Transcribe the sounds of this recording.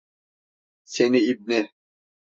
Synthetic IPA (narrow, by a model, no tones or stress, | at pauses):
seniib̚ni